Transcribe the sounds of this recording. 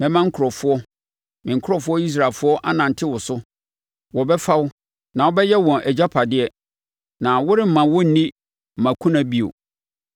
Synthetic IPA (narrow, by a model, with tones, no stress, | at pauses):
mɛ̃˨mã˦ŋ̩˦kʰʊ˨ɾɔ˨fʊ˦ɔ˦ | mɪ̃˨ŋ̩˨kʰʊ˦ɾɔ˨fʊ˦ɔ˦i˦s̬ɾa˨lfʊ˦ɔ˦ʔa̰˦nã˨n̩˨tʰɪ˦wʊ˨sʊ˦ | wɔ˨bɛ˦fa˦wʊ˦ | nã˨wɔ˦bɛ˦jɛ˦wɔ̃˨ʔɛ˨d͡ʑa˦pʰa˨dɪ˦ɛ˦ | nã˨wʊ˦ɾɪ˦m̩˦˨mã˨wɔ˦n̩˦nĩ˦ | m̩˨mã˨kʰũ˦nã˨bi˦o̰˨